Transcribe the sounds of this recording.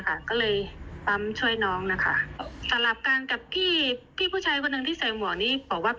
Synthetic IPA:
kʰa˥˩kɔː˥˩lɤː˧jpa˧˥mt͡ɕʰu˥˩əjnɔː˦˥ŋna˦˥kʰa̰˥˩ʔsa˨˧˦mla˨˩p̚kaː˧nka˨˩p̚t̪ʰiː˥˩pʰiː˥˩uː˥˩t͡ɕʰaː˧jkʰɔ˧nːɯ˨˩ŋt̪ʰiː˥˩sa˨˩˦mu˨˩˦niː˦˥bɔː˨˩˦k̚waː˥˩

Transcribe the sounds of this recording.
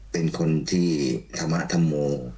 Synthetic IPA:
pe˧nkʰo˧nt̪ʰiː˥˩t̪ʰa˧mːa̰˦˥ʔt̪ʰa˧mːoː˧

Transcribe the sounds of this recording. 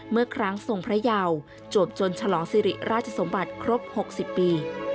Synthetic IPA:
mɯ˥˩ɐəkʰɾa˦˥ŋso˨˩ŋpʰɾa˦˥jaː˧w | t͡ɕu˨˩əp̚t͡ɕo˧nt͡ɕʰa˧lɔː˩˦ŋsiː˨˦ɾḭ˨˩ɾʔaː˥˩t̪̚ʰa˧so˩˦mba˨˩t̪̚kʰɾo˦˥p̚ho˨˩k̚si˨˩pːiː˧

